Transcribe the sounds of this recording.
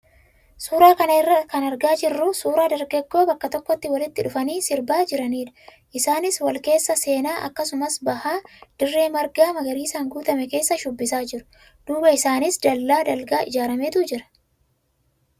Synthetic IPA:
suːɾaːkɐnɐɪrːɐkɐnɐɾɡaːd͡ʒɪrːʊsuːɾaːd̪ɐɾɡɛɡːo̞ːbɐkːɐt̪ɔkːɔt̪ːɪwɐlɪt̪ːɪᶑʊfɐniːsɪɾbaːd͡ʒɪɾɐniːᶑɐ̥ | ʔɪsaːnɪswɐlke̞ːsːɐse̞ːnaːʔɐ̰kːɐsʊmɐsbɐhaːd̪̥ɪrːe̞ːmɐɾɡaːmɐɡɐɾiːsaːŋɡuːt̪ɐmɛke̞ːsːɐʃʊbːɪsaːd͡ʒɪɾʊ̥ | d̪̥uːbɐɪsaːnɪsd̪ɐlːaːd̪ɐlɡaːʔɪd͡ʒaːɾɐmeːt̪ud͡ʒɪɾɐ̥

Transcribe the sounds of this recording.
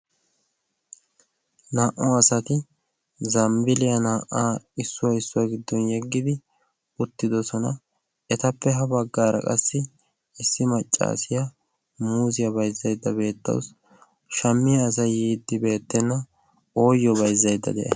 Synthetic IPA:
naːʔɔɐsɐt̪ɪ | zɐmbɪlɪjɐnaːʔaːɪsːʊwɐɪsːʊaɡɪd̪ːɔnjɛɡːɪd̪ɪ | ʊt̪ːɪd̪ɔsɔnɐ | ɛt̪ɐpːɛɦɐbɐɡːaːɾɐ̰kʼɐ̰sːɪ | ɪsːɪmɐt͡ʃʼːa̰ːsɪjɐ | muːzɪjɐbɐjzːɐjd̪ːɐbe̞ːt̪ːɐ̰w̰s | ʃɐmːɪjɐːs̬ɐjiːd̪ːɪbe̞ːt̪ːɛnːɐ | o̞ːjːɔbɐjzːɐjd̪ːɐ̰d̪ɛʔɛ̰

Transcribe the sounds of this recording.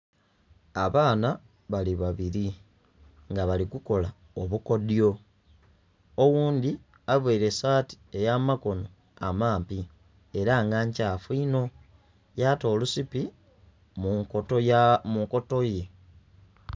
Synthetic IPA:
aβaːna | βaliβaβiɾi | ŋɡaβalikuko̞la | oβuko̞djo̞ | owuːnd̪i | aβweːɾe̞saːti̥e̞jamako̞no̞ | a̰maːmpi | e̞ɾaŋɡaɲcaːfuino̞ | jato̞ːlusipi | m | muŋko̞to̞je̞

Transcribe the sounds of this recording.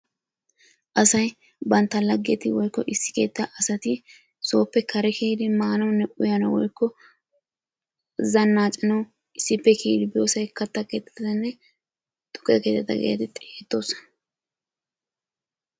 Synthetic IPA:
ʔɐsɐj | bɐnt̪ːɐlɐɡːɛt̪ɪwɔjkːɔʔɪsːɪ̥ke̞ːt̪ːɐʔɐsɐt̪ɪ | so̞ːpːɛkʰɐɾɛkeːd̪ɪmaːnɐwnːɛʔʊjɐnɐwɔ̰jkːɔ | zɐnːaːt͡ʃʼːɪnɐw | ʔɪsːɪpːɛkʰeːd̪ɪbɪjoːsɐjkɐt̪ːɐke̞ːt̪ːɛ̥t̪ɐt̪ɐnːɛ | t̪ʼʊ̥kːjɐke̞ːt̪ːɛt̪ːɐ̰ɡḛːt̪ɪt̪ʼɛeːt̪ːo̞ːsɐ̥

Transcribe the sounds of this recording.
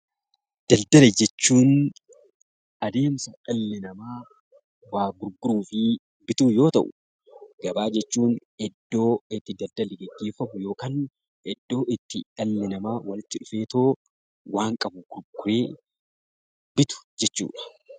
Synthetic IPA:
d̪̥ɐld̪ɐlɛd͡ʒɛt͡ʃːuːn | ʔɐd̪e̞ːmsɐᶑɐlːɪnɐmaː | waːɡʊɾɡʊɾuːfɪ | bɪt̪uːjo̞ːt̪ɐ̰ʔʊ | ɡ̥ɐbaːd͡ʒɛt͡ʃːuːn | ɛd̪ːo̞ːɪt̪ːɪd̪ɐld̪ɐlɛɡɛɡːe̞ːfɐmʊjo̞ːkaːn | ɛd̪ːo̞ːʔɪt̪ːɪᶑɐlːɪnɐmaːwɐlɪt̪ːɪᶑʊfe̞ːt̪o̞ː | waːŋkʼɐbʊɡ̥ʊɾɡʊɾeː | bɪt̪ʊ̥d͡ʒɛt͡ʃːṵːᶑɐ̥

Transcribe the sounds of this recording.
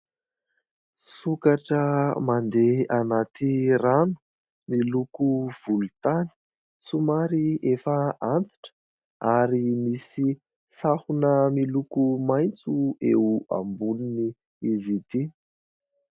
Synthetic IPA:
sukaʈ͡ʂəmand̪eanat̪iranu̥ | milukuv̥ulut̪ani̥ | sumaɾiefəant̪i̥ʈ͡ʂə̥ | aɾimisi | sahunəmilukumajnt͡sueua̰mbunini | izit̪i

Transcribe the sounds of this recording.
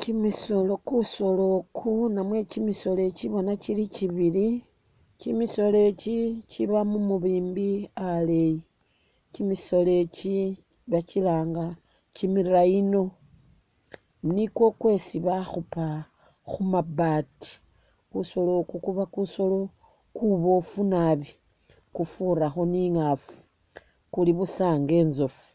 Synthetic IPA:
cimiso̞lo̞kuso̞lo̞kʰunamwe̞t͡ʃimiso̞le̞t͡ʃiβo̞nat͡ʃilit͡ʃiβili | t͡ʃimiso̞le̞t͡ʃit͡ʃiβamumuβiːmbiale̞ji | t͡ʃimiso̞le̞t͡ʃi | βat͡ʃilaːŋɡa | t͡ʃimiɾaino̞ | nikwo̞kwe̞siβaxupa | xumabati̥ | kuso̞lokukuβakuso̞lo̞ | kuβo̞funaβi | kufuɾaxo̞niŋafu̥ | kuliβusaːŋɡe̞ːnzofu̥

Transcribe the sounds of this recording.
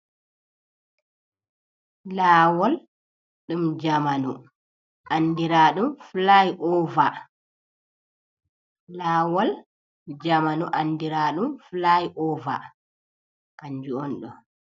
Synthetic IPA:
laːwɔl | ɗumd͡ʒamanṵ | ʔandiɾaːɗumflajʔɔva | laːwɔl | d͡ʒamanuʔandiɾaɗumflajʔɔva̰ | kaɲd͡ʒuɔnɗɔ̰

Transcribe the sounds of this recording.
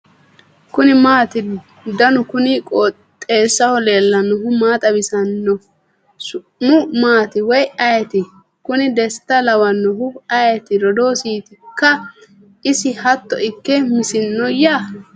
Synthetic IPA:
kʊnɪmaːt̪ɪ | d̪ɐnʊkʊnikʼɔ | t̪ʼːe̞ːsːɐhɔleːlːɐnʊɦʊmaːt̪ʼɐbɪsɐnːɔ | sʊ | mʊmaːt̪ɪwɔjɐjɛt̪ɪ | kʊnɪd̪ɛsɪ̥t̪ɐlɐwɐnːɔɦʊɐjɛt̪ɪɾɔd̪o̞ːsiːt̪ɪkːɐ | ɪsɪhɐt̪ːɔʔɪkːɛmɪsɪnːɔjaː

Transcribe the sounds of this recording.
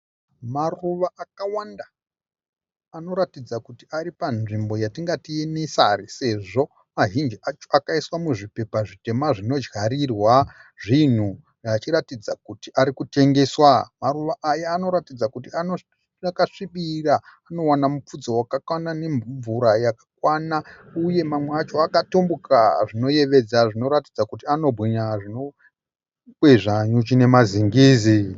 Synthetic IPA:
maruʋaʔakawanda | no̞ɾatid͡zakutiaɾipanʐimbo̞jatiŋɡatienesarise̞ʐo̞ | maʒind͡ʒiat͡ʃoakaiswamuʐipe̞paʐite̞maʐino̞d͡ʒɡaɾirwaʐin̤u | rat͡ʃiɾatid͡zakutiʔaɾikute̞ŋɡe̞swamaruʋaʔajaːno̞ɾatid͡zakut̬iano | akaʂiɓiraː | no̞wanamup͡fud͡zowakakwanane̞ɱɱvuɾajakḁk̚wanauje̞mamweat͡ʃo̞akatombukaʐino̞je̞ʋe̞d͡zaʐino̞ɾatid͡zakutiano̞bʱiɲaʐino | kweʐaɲut͡ʃine̞maziŋɡiːzi

